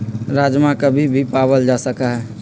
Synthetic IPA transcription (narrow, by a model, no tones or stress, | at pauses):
ɾad͡ʒmãkəbʱibʱipabəld͡ʒasəkaɦɛ